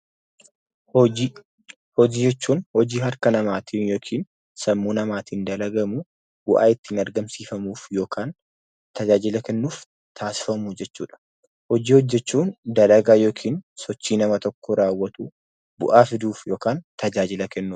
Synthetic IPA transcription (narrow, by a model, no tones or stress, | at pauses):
hɔd͡ʒiːd͡ʒɛt͡ʃːuːnhɔd͡ʒiːɦɐɾkɐnɐmaːt̪ʰiːnjoːkʰiːn | sɐmːuːnɐmaːt̪iːnd̪ɐlɐɡɐmu | bʊʔa̰ːɪt̪ːɪnɐɾɡɐmsiːfɐmuːfjo̞ːkaːn | t̪ɐd͡ʒaːd͡ʒɪlɐkɛnːuːf | t̪ʰaːsɪ̥fɐmud͡ʒɛt͡ʃːṵːᶑɐ̥ | hɔd͡ʒiːhɔd͡ʒːɛt͡ʃːuːnd̪ɐlɐɡaːjoːkʰiːnsɔt͡ʃːiːnɐmɐt̪ɔkːɔɾaːwːɐt̪u | bʊʔaːfɪd̪uːfjo̞ːkaːnt̪ɐd͡ʒaːd͡ʒɪlɐkɛnːuːf